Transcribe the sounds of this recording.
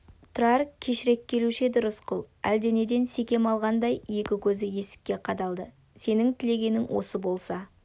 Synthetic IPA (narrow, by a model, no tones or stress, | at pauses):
t̪ʰʊɾɑɾkʲʰe̞ʃɪɾe̞kʲʰːe̞luʃɪd̪ʊɾəsqʰʊlˠæ̰ld̪ene̞d̪e̞nse̞kʲe̞mɑlˠʁɑnd̪ɑjje̞kʲɪkʲʰɵzɪje̞sɪ̥kʲːe̞qʰɑd̪ɑlˠd̪ə | se̞nɪŋt̪ʰɪle̞ɡʲe̞nɪŋwʔo̞̰səbo̞lˠsɑ